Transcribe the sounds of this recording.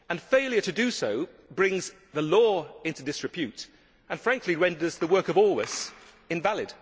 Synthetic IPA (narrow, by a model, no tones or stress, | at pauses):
ə̃nfeɪlˠjə˞ɾɨdɨsoʊ | bɹɪ̃ŋz | ðəlɔɪ̃ntʉdɪsɹɨpʰjʉɾ | ə̃nfɹæ̃ŋkliɹɛ̃ndə˞zðəwɜ˞kʌvɔlˠwəs | ɨ̃nvælˠɪd̥